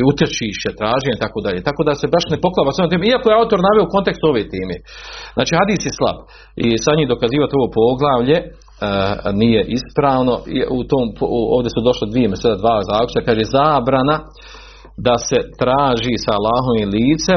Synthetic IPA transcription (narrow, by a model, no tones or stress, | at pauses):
ut̪jet͡ʃiːʃet̪ɾaːʒijit̪akoːd̪aʎeːt̪ako̞ːd̪ase̞baʃnepo̞klˠaːbasoomt̪eːmeiako̞jeaut̪oɾnaʋeouko̞nt̪e̞kst̪uoʋeːt̪eːmeːzna̰ːt͡ʃiːhad̪iːsjeslˠa̰b̥ | ḭsaɲiːd̪o̞kaziːʋat̪io̞ʋopo̞ɡlˠaːʋʎe̞ | nijeʔispɾaːʋno̞ḭut̪oːmpoːʋd̪esud̪o̞ʃlid̪ʋijemesed̪ad̪ʋaːzaːkɾu̥t͡ʃ̪akaːʒezaːbɾana | d̪ase̞t̪ɾaːʒisaːlːaːɦoʋiliːt̪se